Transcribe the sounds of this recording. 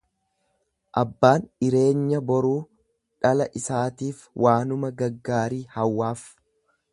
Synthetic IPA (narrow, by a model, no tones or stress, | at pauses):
ʔɐbːaːnɪɾe̞ːɲːɐbɔɾuː | ᶑɐlɐʔɪsaːt̪iːfwʔaːnʊmɐɡɐɡːaːɾiːhɐwːaːf